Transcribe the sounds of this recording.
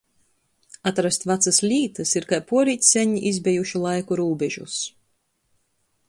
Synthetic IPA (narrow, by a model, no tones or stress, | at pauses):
at̪ɾast̪vat̪saslʲiːt̪ɨsiɾkajpuɔɾiːt̪ʲsʲɛɲiʔizbʲɛjuʃilˠajkuɾuːbɛʒṵs